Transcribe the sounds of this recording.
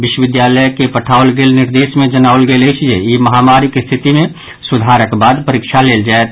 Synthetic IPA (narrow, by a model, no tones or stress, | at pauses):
ʋɪʃwəʋɪd̪jaːləjkepəʈʰaːʊlɡeːlnɪɾd̪eːsmẽd͡ʒənaːʊlɡelet͡ʃʰijɛjiməɦamaːɾɪkst̪ʰɪt̪imẽ | sʊd̪ʱaːɾəkbaːd̪pəɾɪkʃʰaleːld͡ʒaːet̪